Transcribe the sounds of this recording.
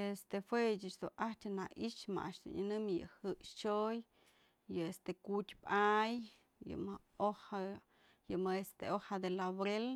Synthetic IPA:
est̪efwet͡ʃɨt͡ʃd̪uʔat͡ʃʲɨnaʔit͡ʃma̰ʔa̰ʂd̪̥ṵɲɨnɨmjɨ̰hɨʔʂt͡ʃoj | jɨest̪ekutʲpʔaj | jɨ̰mɨ | oha | jɨmɨest̪eohad̪elaβɾel

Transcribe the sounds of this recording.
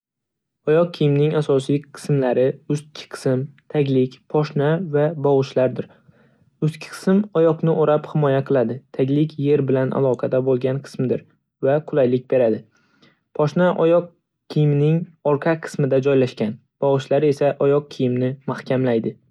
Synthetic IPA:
ɒjɒq̚kʲʰijɪmnɪŋasɒsiqʰɨ̥smlaɾɪʊst̪̚kʲʰɪ̥qʰɨ̥sɪmt̪ʰaɡʲlɪkʲpʰɒʃnavabɒʁɨʃlaɾd̪ɪɾ | ʊst̪kʲʰɪ̥qʰɨ̥sɪmɒjɒqnɪʔoɾaphɪmɒjaqʰɨlˠad̪ɪt̪ʰaɡʲlɪkʲʰje̞ɾbɪlanʔa̰lˠɒqʰɑd̪abolˠɡʲanqʰɨ̥smɪd̪ɪɾ | vaqʰʊlˠajlɪk̚ʲbe̞ɾad̪ɪ | pʰɒʃnaʔɒjɒq̚ | kʲʰijɪmnɪŋɒɾqʰɑqʰɨ̥smɪd̪ad͡ʒɒjlaʃkʲan | b̥ɒʁɨʃlaɾe̞saʔɒjɒq̚kʲʰijɪmnɪmahkʲʰamlajd̪ɪ

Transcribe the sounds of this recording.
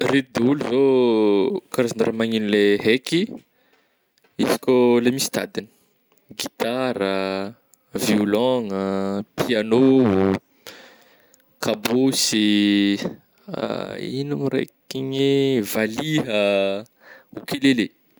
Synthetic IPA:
ret̪ud̪euluzo | kaɾazana̰ɾamaŋinuleɦeki | izi̥kʲolemisi̥t̪a̰d̪inə̥ | ɡit̪aɾə | viulɔŋəpʰiano | kʰabosi | inamɾḛkiɲivaliɦə | okelele

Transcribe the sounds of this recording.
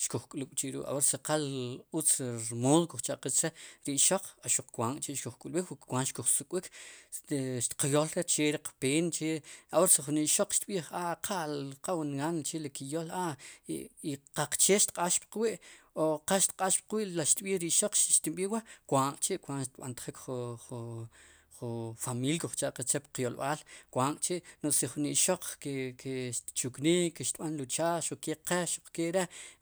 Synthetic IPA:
ʃkuχkʼlukʼt͡ʃiɾṵʔa̰woɾsaqalut͡sɾmoːðokuχt͡ʃaʔqit͡sɾeɾiʔʃoq͡χaʃuq͡χkʷaŋkʼt͡ʃeʔʃkuχkʼulɓikwkʷanʃkuχsukʼwik | ʃt̪qajolɾet͡ʃeɾiqapeːnt͡ʃeawoɾsaχuniʔʃoq͡χʃt̪ɓiːχaqʰalqawanɡant͡ʃelikijolaʔ | iqaq͡χt͡ʃeːʃt̪qʼaʃpqwiʔoqaʃt̪qʼaʃpqwiːʔlaʃt̪ɓiːχɾiʔʃoq͡χʃʃt̪imɓiːwakʷaːŋʔʼt͡ʃiʔkʷaŋʔʃt̪ɓa̰nt̪χikχuu | χufamiːlkoχt͡ʃaʔqat͡ʃepqjolɓaːlkʷaːŋʔʼt͡ʃeʔnoʔsiχuniʔʃoq͡χkekʰeʃt̪t͡ʃukniːkkːeʃt̪ɓanlut͡ʃaːʃuq͡χkeqeʃuq͡χkeʔɾe

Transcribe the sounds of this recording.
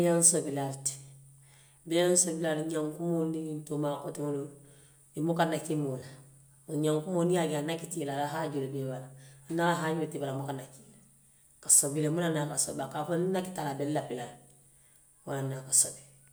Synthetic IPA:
jansobilaɾti̥ | bejansobilaɾɲaŋkumonitomakotimono | imukanakimula | ɲaŋkumonijaɡanakitilalaɦaɟulebebalanalaɦaɲotibalamukanaki̥ | kasobilemunanakaso̰bakafonnaki̥talabellapilal | munanakasobi

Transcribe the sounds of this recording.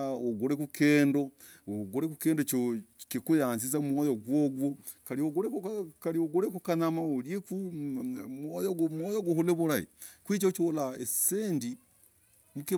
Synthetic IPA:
oɡuɾekukʰeːndo | oɡuɾekukeːndot͡ʃokikujaːnzizamwojoɡwoɡwokaɾioɡuɾekkaɾioɡuɾekukanamaoɾjeku | mojomwojoɡuhuleβuɾaḭkwit͡ʃot͡ʃolaeseːndi | muki

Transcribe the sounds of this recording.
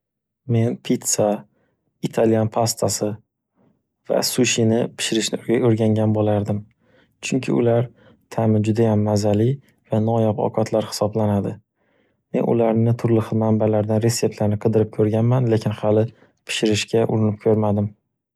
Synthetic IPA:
me̞npʰit̪sa | it̪ʰalijanpʰast̪ʰasɪ | va̰suʃinɪpʰɪ̥ʃɪɾɪʃnɪoɾɡʲaŋɡʲanbolaɾd̪ɪm | t͡ʃʰʊŋkʲʰɪ̰ʊ̰laɾ | t̪ʰamɪd͡ʒʊd̪ajamːazalɪ | vanɒjapɒ̰qʰɒt̪ʰlaɾhɪ̥sɒblanad̪ɪ | me̞̰nʔʊ̰laɾnɪt̪ʰʊɾlɪχɨmambalaɾd̪anɾe̞sːe̞p̚t̪laɾnɪqʰɨd̪ɪɾɪp̚kʲʰɵɾɡʲanmanle̞kʲʰɪnhalɪ | pʰɪ̥ʃɪɾɪʃkʲʰaʔʊɾɪnɪp̚kʲʰɵɾmad̪ɪm

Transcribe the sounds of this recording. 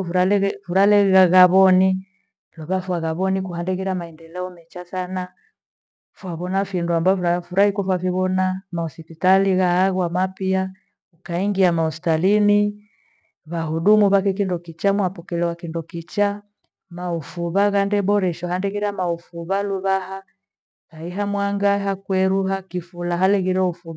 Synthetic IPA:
ɾalɛfuɾalɛɣaɣaβɔni | luβafuaɣaβɔnikuhandɛɣiɾamaɛndɛlɛɔmɛt͡ʃasana | fwaβɔnafinduambaɔafuɾahikɔfwaviβɔnamaɔsipitaliɣaaɣwamapia | ukaiŋɡiamaɔsi̥talini | βaɦuɗumuβakɛk̬indɔkit͡ʃamwapɔkɛlɛwakindɔkit͡ʃa | maufuβaɣandɛbɔɾɛʃɔhandɛɣiɾamaufuβaluβaha | ɣaiɦamwaŋɡaɦakwɛɾuɦakifulaɦalɛɣiɾɛufuβa

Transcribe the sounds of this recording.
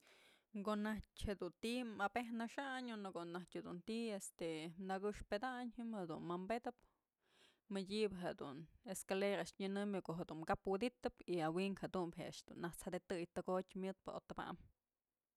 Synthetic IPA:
ɡoʔnahthed̪unt̪imabehnaʂaɲonokoʔnahtʲhed̪unt̪iest̪enaɡɨʂped̪aɲhɨmhed̪unmambed̪ɨp | mɨdʲibɨɦed̪ṵneskaleɾaʔʂɲɨnɨmɨkoʔɦed̪umkapwɨd̪it̪ɨpiawiŋkhed̪umpɦea̰ʂd̪̥ṵnːaht͡shad̪et̪ɨjt̪ɨɡot̪ʲmjɨt̪̚pɨ̰ot̪ɨba̰ʔm

